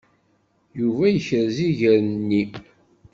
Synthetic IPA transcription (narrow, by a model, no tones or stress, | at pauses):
juvæjəçəɾziʝəɾnːi